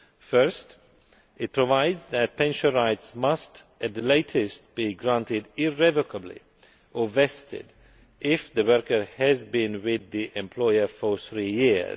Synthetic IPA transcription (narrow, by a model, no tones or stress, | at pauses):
fɜ˞st | ɪt̚pʰɹ̥əvaɪdzðɨt̚pʰɛ̃nʃə̃nɹaɪtsmʌst | ʔɨt̚ðleɪtʰɨst̚b̥iɡɹãntɪdɪɹɛvəkʰəblḭ | ʔəvɛstɪ̰d | ʔɪfðɨwɜɹkə˞ɨzbɪ̃nwɪðiʔɛ̃mpʰl̥ɔɪə˞fə˞θɹijɪɹz